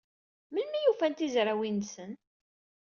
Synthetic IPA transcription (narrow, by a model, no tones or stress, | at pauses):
mənmijufænt̪izɾawinsən